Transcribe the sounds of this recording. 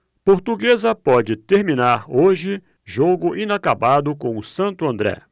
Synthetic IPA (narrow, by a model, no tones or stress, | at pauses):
poɾt̪uɡezɐpɔd͡ʒɪt̪eɾmĩnaɾoʒɪ | ʒoɡʊʔĩnakabad̪ʊkõw̃ʊsɐ̃nt̪ʊɐ̃nd̪ɾɛ̰